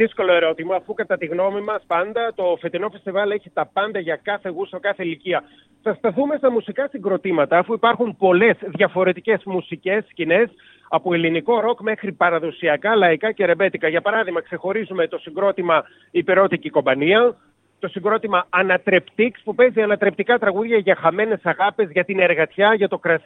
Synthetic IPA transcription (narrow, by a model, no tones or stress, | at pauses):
ðisko̞lo̞e̞ɾo̞t̪imɐːfukɐt̪ɐt̪iɣno̞mimɐspɐnd̪ɐt̪o̞fe̞t̪ino̞fe̞st̪ivɐle̞çit̪ɐpɐnd̪ɐʝɐkɐθe̞ɣusɐkɐθeliciɐ | θɐst̪ɐθume̞st̪ɐmusikɐsiŋɡɾo̞t̪imɐt̪ɐːfuipɐɾxumpo̞le̞zðʝɐfo̞ɾe̞t̪ice̞zmusice̞scine̞s | ɐpoeliniko̞ɾo̞kme̞xɾipɐɾɐðo̞siɐkɐlɐikɐce̞ɾe̞be̞t̪ikɐʝɐpɐɾɐðiɣmɐkse̞xo̞ɾizume̞t̪o̞siŋɡɾo̞t̪imɐ | ipeɾo̞t̪iciko̞mbɐniɐ | t̪o̞siŋɡɾo̞t̪imɐːnɐt̪ɾe̞pt̪ikspupe̞ziɐnɐt̪ɾe̞p̚t̪ikɐt̪ɾɐɣuðʝɐʝɐxɐme̞ne̞sɐɣɐpezʝɐt̪ine̞ɾɣɐt̪çɐʝɐt̪o̞kɾɐ